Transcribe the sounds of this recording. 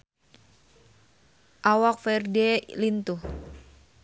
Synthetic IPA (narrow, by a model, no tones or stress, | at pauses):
ʔawak̚fɛrdɛlint̪uh